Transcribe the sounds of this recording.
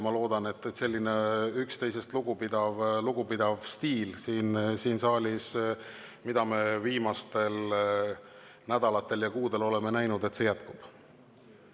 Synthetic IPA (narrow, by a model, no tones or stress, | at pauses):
mɑlo̞ːd̪̥ɑne̞t̪ːse̞lʲːine̞ykst̪e̞js̬e̞st̪luɡ̥upid̪ɑvluɡ̥upid̪̥ɑvst̪iːlsiːnsiːnsɑːlʲis | mid̪̥ɑme̞viːmɑst̪e̞l | næd̪̥ɑlɑt̪ːˑe̞ljɑkuːd̪̥e̞lo̞le̞me̞næjnud̪et̪se̞jæt̪kub̥